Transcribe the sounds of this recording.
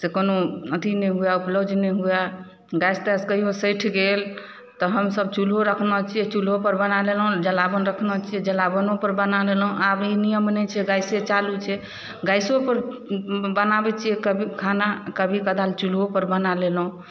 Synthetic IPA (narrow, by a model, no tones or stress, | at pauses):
sekonoət̪inɛɦujaupləbd͡ʒʱnɛɦuja | ɡajst̪ɛskəɦiosəjʈʰɡel | t̪ɔɦəmsəb̚t͡ʃulɦoɾəkʰnət͡ʃʰiɛt͡ʃulɦopəɾbənalelɦũd͡ʒəlabənɾəkʰnət͡ʃʰijɛd͡ʒəlabənopəɾbənalelɦũabinijəmnɛt͡ʃʰɛɡajset͡ʃalut͡ʃʰɛ | ɡajsopəɾ | bənabɛt͡ʃʰijɛkəbʱikʰanakəbʱikəd̪alt͡ʃulopəɾbənalelɦũ